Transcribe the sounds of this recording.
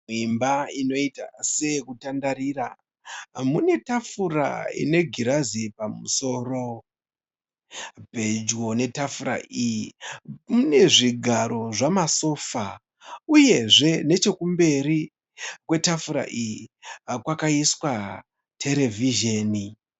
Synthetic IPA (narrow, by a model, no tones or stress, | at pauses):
imbaino̞ita̰se̞kutandaɾira | mune̞tafura̰ḭne̞ɡʱiɾazipamuso̞ːro̞ | bʱed͡ʒwo̞ne̞tafura̰ʔi | mune̞ʐiɡʱaɾo̞ʐamaso̞ːfa | uje̞ʐe̞ne̞t͡ʃe̞kumbe̞ɾi | kwe̞tafuɾa̰ʔi | kwakaiswa | tʰe̞ɾe̞viʒeːni